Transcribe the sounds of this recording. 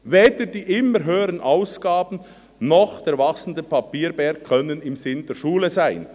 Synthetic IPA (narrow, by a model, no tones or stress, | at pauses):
veːd̥əd̥iːʔɪmːəɾɦøːəɾənʔaʊsɡ̥aːbn̩ | nɔχd̥eːɐɾvɑksn̩dəpɑpiːɾbɛɐkkʰːœnənɪmzɪnd̥eːɾʃuːləzaɪn